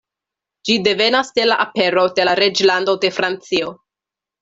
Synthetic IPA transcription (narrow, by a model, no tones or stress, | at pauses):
d͡ʒide̞ve̞nasde̞laʔape̞ɾo̞de̞laɾed͡ʒlando̞de̞fɾant͡sio̞